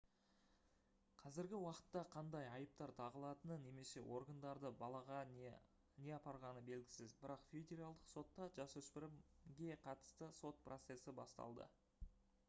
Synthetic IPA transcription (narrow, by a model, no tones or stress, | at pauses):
qʰɑzɪɾɡʲɪwɑqə̥t̪ːɑqʰɑnd̪ɑjɑjəp̚t̪ɑɾt̪ʰɑʁəlˠɑt̪ənəne̞me̞se̞wʔo̞rɡənd̪ɑɾd̪əbɑlˠɑʁɑ | ne̞ɑpɑɾʁɑnəbe̞lɡʲɪsɪzbɪɾɑqfʲe̞dʲe̞ɾalˠd̪əqso̞t̪ːɑʒɑsɵspɪɾɪɡʲe̞qʰɑt̪ə̥st̪əso̞t̪̚prʔo̞t̪se̞sɪbɑst̪ɑ̰lˠd̪ə̰